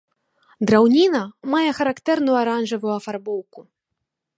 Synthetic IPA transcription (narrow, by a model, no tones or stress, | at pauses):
d̪ɾawnʲinɐmajɛxɐɾakt̪ɛrnujuaɾanʐɐvujuɐfarbɔwku